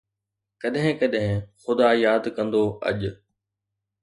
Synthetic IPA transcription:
kɐɗɦɪ̃kɐɗɦɪ̃xʊd̪aːjaːd̪kɐ̃nd̪oɐ̰ʄʊ

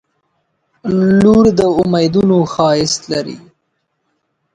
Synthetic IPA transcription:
luɽd̪əʊmajd̪unoxɑjɪst̪laɾḭ

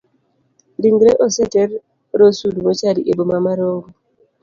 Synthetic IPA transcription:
diŋɡɾeʔosɛtɛɾ | ɾosudumot͡ʃadiʔebomamaɾoɡu

